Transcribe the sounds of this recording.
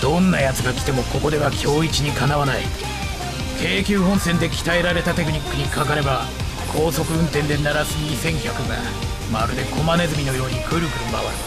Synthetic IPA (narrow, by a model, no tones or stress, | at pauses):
d̪̥õ̞nːajat͡sɨɡakʲi̥t̪e̞mo̞ko̞ko̞d̪e̞βakʲʰo̞ːit͡ɕiɲ̟ikanaβanai | kʰe̞ːkʲɨːɦõ̞ɰ̃sẽ̞nd̪e̞kʲi̥t̪aeɾaɾe̞t̪at̪e̞k̬ɯ̟ɲ̟ikːɯɲ̟ikak̬aɾe̞ba | kʰo̞ːso̞kɯ̟ɯ̟̃nt̪ẽ̞nd̪e̞naɾazɨɲʲisẽ̞ŋ̃kʲakɯ̟ɡa̰ | maɾɯd̪e̞kʰo̞mane̞zɨmʲino̞jo̞ːɲ̟ikʰɯ̟ɾɯ̟ɡɯ̟mba̰βa̰ɾɯ